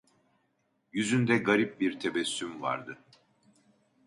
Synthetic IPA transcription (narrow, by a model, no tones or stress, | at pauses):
jyzynd̪ɛɡaɾip̚biɾt̪ʰebɛsːymva̰ɾd̪ɯ